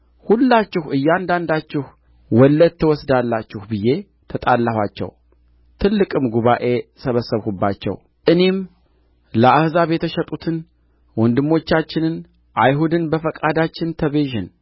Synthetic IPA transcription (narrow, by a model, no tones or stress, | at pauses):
hulːat͡ʃːɪhɨjːɛand̪and̪at͡ʃːɪh | wɔlːəd̪̚t̪ʰːɨwɔsd̪alːat͡ʃːɪhbɨjːe̞ | t̪ʰət̪ʼalːahʷwat͡ʃːɛ̰w | t̪ʰɨlːɨkʼɨmɡuβaʔe̞səβəsːəβhubːat͡ʃːɛ̰w | ʔɨne̞m | ləʔahzaβjɛt̪ʰəʃɛt̪ʼut̪ʰɨn | wɔnd̪ɨmːo̞t͡ʃːat͡ʃːɪnɨn | ʔajɦud̪ɨnbəfəkʼad̪at͡ʃːɪnt̪ʰəβeʒɪn